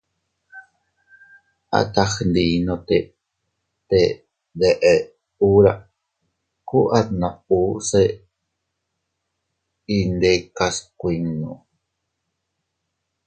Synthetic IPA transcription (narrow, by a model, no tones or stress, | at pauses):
ʔa̰t̪axnd̪iːnot̪e | t̪e | d̪eʔe | uɾa̰ | kuʔat̪nause | ind̪ekaskʷiŋnu